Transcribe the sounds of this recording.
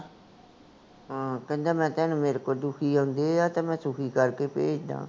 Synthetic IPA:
ɦaːkə̃nd̪aːmɛ̃ːt̪ɛːnũːmeːɾekoːɾd̪ʊkʰiːãːnd̪eːaːt̪ãːmɛ̃ːsʊkʰiːkəɾkeːpeːd͡ʒd̪ã̰ː

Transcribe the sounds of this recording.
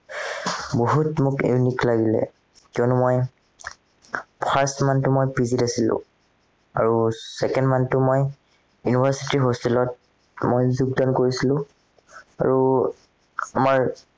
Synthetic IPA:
boɦutmʊkḛniklaɡilɛ̰ | kiɔnʊmoj | pʰastmantʊmojpizitasilʊ̰̃ | a̰ɹusɛkɛndmantʊmoj | junibʱaɹsitiɦostɛlɔt̚ | mojzuɡ̚dɔnkoɹisilʊ̃ | a̰ɹu | amaɹ

